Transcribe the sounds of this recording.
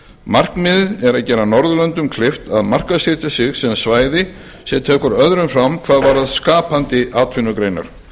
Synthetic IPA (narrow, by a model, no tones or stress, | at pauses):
mar̥knmɪðɛɾaðcɛːɾanɔɾðʏlœnt̪ʏmkʰlɪft̪aðmar̥kasɪt̪asɪɣsɛmsvaːjðɪ | sjɛt̪ʰɛːkʏɾœðɾʏmfɾamkʰvaːðvaːɾaðskaːpant̪ɪʔaːt̪ʰvɪnːʏkɾeːjna̰ɾ̥